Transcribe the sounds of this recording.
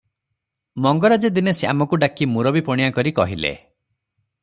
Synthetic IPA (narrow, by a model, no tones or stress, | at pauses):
mɔŋɡɔɾad͡ʒed̪inesa̰mɔkuɖakimuɾɔbipɔɽ̃ijakɔɾikɔɦilḛ